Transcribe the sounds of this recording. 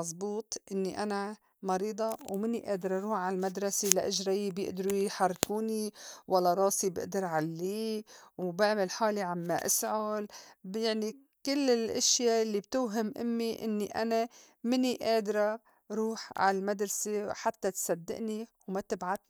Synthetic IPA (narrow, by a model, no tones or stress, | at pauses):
ɑzˤbuːt̪ˤʔɪnːiʔana | mɑɾiːd̪ˤɑwmɪnːiʔeːd̪ɾˤɑɾˤuːħʕalmad̪ɾˤɑsilaʔɪʒɾajbjɪ̰ʔd̪ɾujħɑrˤːkuːniwalːaɾˤɑːsibɪ̰ʔd̪ɑɾˤʕalːiːwbɪʕmɪlħaːliʕamːaʔɪ̰sʕʊlbjaʕni | kɪlːɪlʔɪʃjalːibt̪ʊːɦɪmʔɪ̰mːiʔɪ̰nːiʔa̰na | mɪniʔeːd̪ɾˤɑ | ɾuːħʕa̰llmad̪ɾˤɑsiwħat̪ːat̪sad̪ːɪ̰ʔniwmat̪ɪbʕad̪